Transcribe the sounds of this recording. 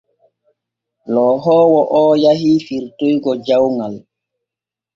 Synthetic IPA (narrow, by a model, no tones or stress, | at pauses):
lɔːɦɔːwɔʔɔːjaɦiːfiɾtojɡɔd͡ʒawŋal